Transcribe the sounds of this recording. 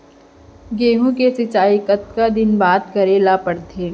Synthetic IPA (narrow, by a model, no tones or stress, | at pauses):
ɡeːɦũkesɪt͡ʃaːikət̪̚kad̪ɪnbaːt̪kɐɾelaːpəɽt̪ʰeː